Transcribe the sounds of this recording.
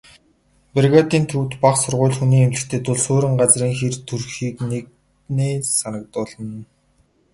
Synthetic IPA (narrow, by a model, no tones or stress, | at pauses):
perɣat̪iːnt̪ʰuwt̪paχsʊrʁʊ̟ːɮxuniːŋemt͡ɕɪ̥̆xt̪ʰeːt̪ʊɮsoːɾə̆ŋɢat͡sriːŋxert̪ʰurxiːknek̚ | neːsanə̆k̚t̪ʊːɮə̆n